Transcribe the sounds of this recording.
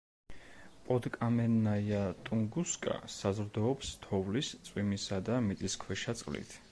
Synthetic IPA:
pʼɔd̪kʼamɛnajat̪ʼuŋɡuskʼa̰sazɾd̪ɔːpst̪ʰɔvlist̪sʼwimisad̪amit̪sʼiskʰwɛʃat̪sʼqʼlḭt̪ʰ

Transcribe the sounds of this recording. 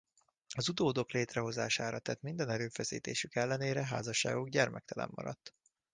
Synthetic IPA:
ɒzud̪oːd̪o̞kleːt̪rɛɦo̞zaːʃaːɾɒt̪ɛt̪mind̪ɛnɛɾøːfɛsḭːt̪ḛːʃykɛlːɛneːɾɛɦaːzɒʃːa̰ːɡoɡɟɛrmɛk̚t̪ɛlɛ̰mːɒ̰ɾɒ̰t̪ː

